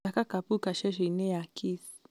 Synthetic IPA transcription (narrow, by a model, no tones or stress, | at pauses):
akakapukaʃɛʃ̬ɛinɛjakʰis